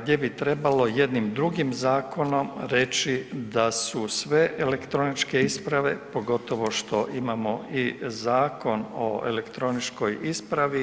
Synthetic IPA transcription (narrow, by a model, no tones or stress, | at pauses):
ɡd̪je̞bit̪ɾe̞balo̞je̞d̪nimd̪ɾuɡimzaːkʰo̞no̞mɾe̞t͡ʃid̪asusʋe̞ʔele̞kt̪ɾo̞nit͡ʃke̞ispɾaʋe̞po̞ɡo̞t̪o̞ʋo̞ʃt̪o̞ʔimamo̞izaːko̞no̰ḛle̞kt̪ɾo̞nit͡ʃko̞jispɾaʋi